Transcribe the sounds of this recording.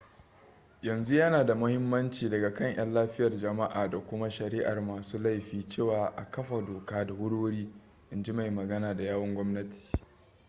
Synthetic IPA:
jɐ˨nzu˦jɐ˦naː˨da˨mʊ˦hɪ˦mːɐ˦nt͡ʃiː˨dɐ˨ɡa˨kɐ˦˨ɲʔɐ̰˦nlaː˦ɸɪ˦jɐ˨rd͡ʒɐ˨ma˦ʔaː˨da˨kʷʊ˦ma˦ʃɐ˨ɾiː˦ʔa˨rmaː˨suː˦la˦jɸiː˨t͡ʃeː˦˨waː˨ʔa˨kɐ˦ɸa˨doː˨kaː˦da˨wʊ˦ɽoː˦ɽiː˦ | ʔɪ˨nd͡ʒi˦ma˨jmɐ˨ɡɐ˦naː˨da˨jaː˦wɐ˦ŋɡʷɔ˦mnɐ˦tʰi̥ː˨

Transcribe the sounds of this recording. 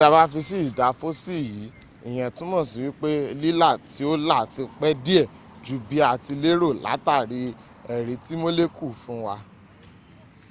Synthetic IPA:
a˧ba˦fi˧si˦i˦˨da˨˦fo˦si˦˨ji˨˦ | i˦˨j̃ɛ̃˨tũ˦mɔ̃˦˨si˨wi˨˦k͡pe˦˧li˦la˦˨ti˨˦o˦la˦˨ti˧k͡pɛ˦di˦ɛ˦˨ | d͡ʒu˨˦bi˦a˨ti˧le˦ɾo˦˨la̰˨˦ta˦˨ɾi˧ | ɛ˨ɾi˨˦ti˦mo˦le˦kʰu˦˨fũ˦wa˧

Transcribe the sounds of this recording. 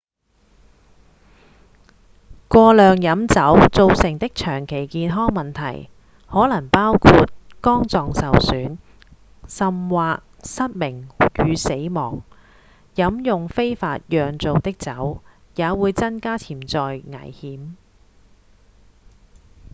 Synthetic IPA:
kʷɔː˧lœː˨ŋjɐ˨˥mt͡sɐ˨˥wt͡so˨˧wsɪ˨˩ŋt̪ɪ˥k̚t͡ʃʰœː˨˩ŋkʰe˨˩jkiː˧nɦɔː˥ŋmɐ˨nt̪ʰɐ̰˨˩j | hɔː˨˥lɐ˨˩ŋpaː˥wkʰuː˧t̚kɔː˥ŋt͡sɔː˨ŋsɐ˨wsyː˨˥n | sɐ˨mwaː˨k̚sɐ˥t̚mɪ˨˩ŋjyː˨˧se˨˥jmɔ̰ː˨˩ŋ | jɐ˨˥mjʊ˨ŋfe˥jfaː˧t̚jœː˨ŋt͡so˨wt̪ɪ˥k̚t͡sɐ˨˥w | jaː˨˧wuː˨˧jt͡sɐ˥nkaː˥t͡sʰiː˨˩mt͡sɔː˨jŋɐ̰˨˩jhiː˨˥m

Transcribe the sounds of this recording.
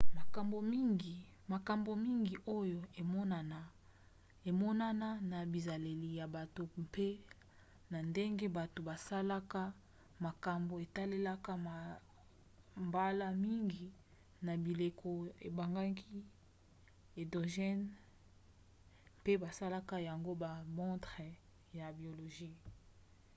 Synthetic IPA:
ma˨ka˨mbo˨mi˦ŋɡi˨ | ma˨ka˨mbo˨mi˦ŋɡi˨ʔo˦jo˦e˨mɔ˦na˨na˨ | e˨mɔ˦na˦na˦na˨bi˨za˨le˨li˨ja˨ba˨to˨pe˦ | na˨nde˦ŋɡe˦ba˨to˨ba˨sa˦la˦ka˦ | ma˨ka˨mbo˨e˨ta˦le˦la˦ka˦ma˨ | mba˦la˦mi˦ŋɡi˨ | na˨bi˨le˨kʰo˦e˨ba˨ŋɡa˦ki˦ | e˨do˨ʒɛ˦n | pe˦ba˨sa˦la˦ka˦ja˨ŋɡo˦ba˨mɔ̃˦tʁe˨ | ja˨bi˨o˨lo˨ʒi˦

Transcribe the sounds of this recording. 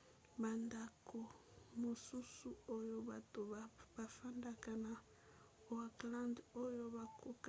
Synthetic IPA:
ba˨nda˨kʰo˨mo˨su˦su˦o˦jo˦ba˨to˨ba˨fa˦nda˨ka˨na˨ | o˨a˨klã˦ndo˦jo˦βa˨kʰo˦k

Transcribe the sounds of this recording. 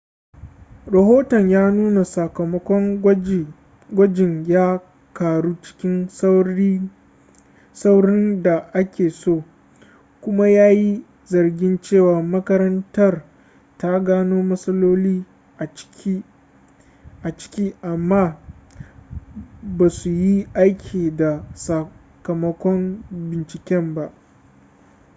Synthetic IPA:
ɾɐ˨ɦoː˦tɔ˨ɲjaː˦nuː˦na˨sɐ˨kɐ˨mɐ˦kʷɔ˦ŋ | ɡʷɐ˦d͡ʒɪ˨ŋjaː˦ | kaː˨ɽu˦t͡ʃɪ̥˦kʲɪ˦n˦ | sa˦wɽɪ˦nda˨ʔa˦kʲeː˨soː˦˨ | kʷʊ˦ma˦jaː˦ji˦ | zɐ˨rɡʲɪ˦nt͡ʃeː˦˨waː˨mɐ˦kɐ˦ɾɐ˦ntɐ˦˨r | ta˦ɡaː˦noː˦mɐ˦sɐ˦loː˦liː˦˨˦ | ʔa˨t͡ʃɪ̥˦kʲiː˦ʔa˨mːaː˦˨ | baː˨su˨ji˦ʔa˦jkʲʰiː˨da˨sɐ˨ | kɐ˨mɐ˦kʷɔ˦mbɪ˨nt͡ʃɪ˨kʲɛ˦mba˦ʔ

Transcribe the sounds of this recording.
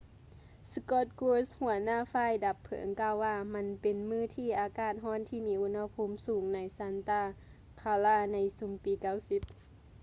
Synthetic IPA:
skɔː˧˩t̪̚kuː˧shu˨˩˦ɐnaː˧˥˨faː˧˨jda˨˧˦pʰːɤ̰˨˩˦ŋkaː˧˨wːaː˧ma˧˥˨npe˨nmɯː˧˥˨t̪ʰiː˧˩ʔaː˨˧kaː˧˩t̪̚ɦɔː˧˥˨nt̪ʰiː˧˩miː˧˥ʔu˧˥nha˧pʰu˧˥˨msuː˨˩˦ŋna˧˥jsa˧˥nt̪aː˧˩ | kʰaː˧laː˧˩na˧˥jsu˨˦ŋpiː˨˦ka˧˥˩wsi˧˦p̚

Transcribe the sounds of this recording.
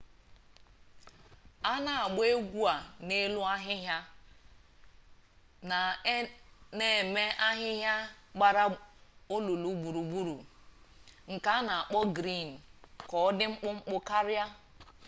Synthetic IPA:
a˦na˨a˨ɡ͡be˦ɡʷu˦a˨ne˦lʊ˦a˦ɦɪ˦ɦja˦ | na˨ | ne˨me˦ʔa˦ɦɪ˦ɦja˦ɡ͡ba˨ɾa˦o˦lu˨lu˨˦ɡ͡bu˨ɾu˨ɡ͡bu˦ɾu˨ | ŋ̩˨ka˨a˦na˨a˨k͡pɔ˦ɡɾi˦˨n̩˨kɔ˨ɔ˦dɪ˦ŋ͡m̩˦k͡pʊ˦ŋ͡m̩˦k͡pʊ˦ka˦ɾa˦

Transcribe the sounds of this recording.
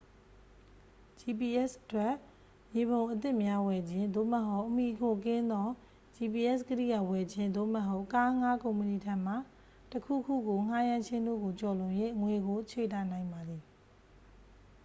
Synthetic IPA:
d͡ʑi˨p̬i˨ʔɛ˦˨sʔətwɛ˦˨ʔ | je˨βõ˨ʊ̃ʔət̪̬ɪ˦ʔmja˦wɛ˨d͡ʑɪ̃˦nd̪o̰˦˨mə˦ɦo˦ʊʔmi˨kʰo˨kɪ̃˦nd̪ɔ˦ | d͡ʑi˨pi˨ʔɛ˦˨skəɾḭ˦˨ɡa˨wɛ˨d͡ʑɪ̃˦nd̪o̰˦˨məɦo˦ʊʔka˦ŋa˦kõ˨ʊ̃mpə˨ni˨tʰɛ̃˦m̥a˦˨ | təkʰṵ˦˨kʰṵ˦˨ɡo˨ŋ̥a˦jã˦ʃʰɪ̃˦nd̪o̰˦˨ɡo˨t͡ɕɔ˨lʊ̃˨jwe˦˨ŋwe˨ɡo˨t͡ɕʰḛ˦˨ta˦˨nã˨ɪ̃mba˨d̪ði˨

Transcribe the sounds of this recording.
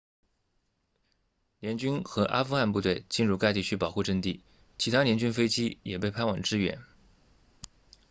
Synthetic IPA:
ljɛ˧˥nt͡ɕy˥nxɤ˧˥ʔa̰˥fu˥˧xa˥˧npu˥˧t̪we˥˩ɪt͡ɕi˥˧nɻu˥˧ka˥˧ɪt̪̬i˥˩t͡ɕʰy˥pɑ˨˩ʊxu˥˧ʈ͡ʂə˥˧ŋt̪i˥˩ | t͡ɕʰi˧˥t̪ʰa˥ljɛ˧˥nt͡ɕy˥nfe˥ɪt͡ɕi˥jɛ˨˩pe˥˩ɪpʰa˥nwɑ˨˩ŋʈ͡ʂɻ̩˥ɥɛ̰˧˥n

